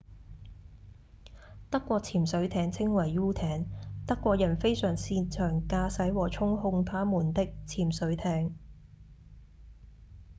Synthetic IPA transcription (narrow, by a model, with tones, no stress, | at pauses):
t̪ɐ˥kːʷɔː˧k̚t͡sʰiː˨˩msɵ˨˥ɥt̪ʰɛː˨˥ŋt͡sʰɪ˥ŋwɐ˨˩jːuː˥t̪ʰɛː˨˥ŋt̪ɐ˥kːʷɔː˧k̚jɐ˨˩nfe˥jsœː˨˩ŋsiː˧nt͡ʃʰœː˨˩ŋkaː˧sɐ˨˥jwɔː˨˩t͡ʃʰʊ˥ŋɦʊ˧ŋt̪ʰaː˥muː˨˩nt̪ɪ˥k̚t͡sʰiː˨˩msɵ˨˥ɥt̪ʰɛː˨˧˥ŋ